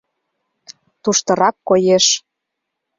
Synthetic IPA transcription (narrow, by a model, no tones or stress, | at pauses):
t̪uʃt̪ɤ̆ɾɑkːojeʃ